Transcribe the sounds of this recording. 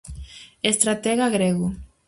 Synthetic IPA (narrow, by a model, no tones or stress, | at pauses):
est̪ɾat̪ɛɣaɣɾeɣu